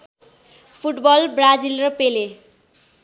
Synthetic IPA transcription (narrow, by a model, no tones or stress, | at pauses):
pʰuʈbʌlbrad͡zilrʌpele